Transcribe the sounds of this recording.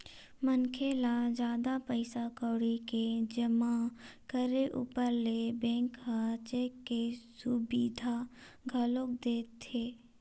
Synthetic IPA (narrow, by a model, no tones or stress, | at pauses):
mənkʰeːlad͡ʒjaːd̪apəɪsakəːɽiked͡ʒəmakəɾeʔṵpəɾlebɛ̃ːŋkɦat͡ʃeːkːesʊbiːd̪ʱa | ɡʱɐlok̚d̪eːt̪ʰːeː